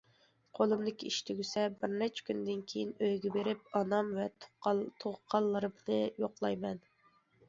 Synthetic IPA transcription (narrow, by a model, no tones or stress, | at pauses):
qʰolˠɨmd̪ɪkʲiʃt̪ʰɪɡʲysɛbɪɾnɛt͡ʃʰɛ̥kʲʰynd̪ɪnkʲʰejinøjɡʲɛbeɾɪp̚ɑnɑmvɛt̪ʰoʁqʰɑlˠːɨɾɨbɪlɪjoqlˠɑjmɛn